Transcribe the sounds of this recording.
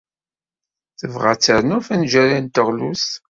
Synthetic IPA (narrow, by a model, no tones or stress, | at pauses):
θəvʁæ̰t͡sːəɾnufænʒæɾint̪əʁlus